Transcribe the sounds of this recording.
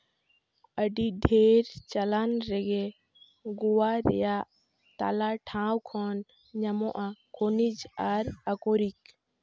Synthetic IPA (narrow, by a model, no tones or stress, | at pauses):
əɖiɖʱeɾt͡ʃalanɾɛɡɛ | ɡuwaɾɛ̰jaʔ | t̪a̰laʈʰãwkʰɔn | ɲamɔʔakonid͡ʒaɾakoɾik